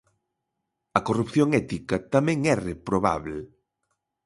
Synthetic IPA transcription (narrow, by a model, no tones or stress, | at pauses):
ɐkorupθjoŋɛt̪ikɐt̪amɛ̃ŋɛrepɾoβa̰βle